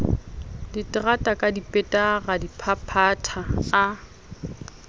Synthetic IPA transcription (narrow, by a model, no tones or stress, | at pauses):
dɪtʼɪratʼakʼadipʼɛtʼaɣadipʰapʰatʰaː